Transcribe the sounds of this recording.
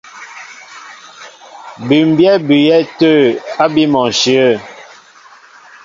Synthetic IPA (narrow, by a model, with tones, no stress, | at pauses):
bi˨m˨bjɛ˦bi˨jɛ˦tə˦˨a˦bi˦mɔ˨n˨ʃi˨ə˦˨